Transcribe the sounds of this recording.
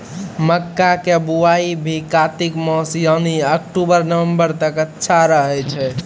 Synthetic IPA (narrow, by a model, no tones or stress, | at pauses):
məkːakebuaibʱikat̪ikmɔ̃sjəniəkʈubəɾnəʋəmbəɾt̪əkətːʃʰaɾəɦɛt͡ʃʰɛ